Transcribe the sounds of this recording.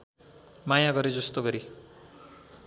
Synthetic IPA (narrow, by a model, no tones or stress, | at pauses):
majaɡʌɾed͡zʌst̪oɡʌɾi